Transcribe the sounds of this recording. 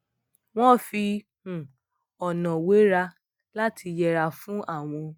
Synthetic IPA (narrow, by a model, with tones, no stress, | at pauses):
w̃ɔ̃˦˨fĩ˧˨ | ɔ˨nã˨we˨˦ɾa˧ | la˦tʰi˧jɛ˧ɾa˧fũ˦ʔa˦˨w̃ɔ̃˧